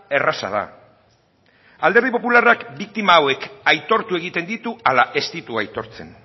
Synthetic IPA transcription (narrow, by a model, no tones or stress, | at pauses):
e̞rasa̰ð̞a̰ | ald̪eɾð̞ipo̞pularakbik̚t̪imaːwe̞kajt̪o̞ɾt̪ue̞ɣ̞it̪e̞nd̪it̪ualaʔe̞st̪it̪uajt̪o̞ɾt͡se̞̰n